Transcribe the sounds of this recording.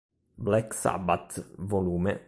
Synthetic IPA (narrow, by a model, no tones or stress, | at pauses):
blɛksa̰bat̪voluːme